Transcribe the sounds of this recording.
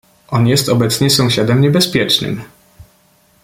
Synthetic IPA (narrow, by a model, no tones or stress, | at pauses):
ʔɔnjɛst̪ɔbɛt̪sɲɛsɔ̃w̃ɕad̪ɛmɲɛbɛspʲjɛt͡ʂnɘ̰m